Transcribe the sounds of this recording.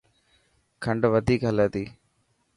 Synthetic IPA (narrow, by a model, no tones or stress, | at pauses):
kʰɐɳɖɐʋɐd̪iːkɐlɐt̪i